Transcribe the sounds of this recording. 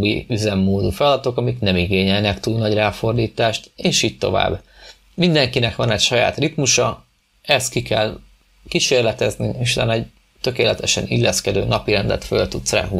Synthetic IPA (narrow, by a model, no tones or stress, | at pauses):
bḭyzɛmːoːd̪ufɛlɒd̪ɒt̪o̞kɒmiknɛmiɡeːɲɛlnɛkt̪uːlnɒɟraːfo̞rd̪iːt̪aːʃt̪eːʃiːɟ̚t̪o̞̰va̰ːbː | mind̪ɛŋkinɛkʋɒnɛcʃɒja̰ːt̪rit̪muʃɒ | ɛst̪kikɛl | kiʃeːrlɛt̪ɛzniiʃt̪a̰nɛɟ | t̪ø̞keːlɛt̪ɛʃɛnḭlːɛskɛd̪øːnɒpiɾɛnd̪ɛ̰t̪fø̰lt̪ut̪sra̰ːɦu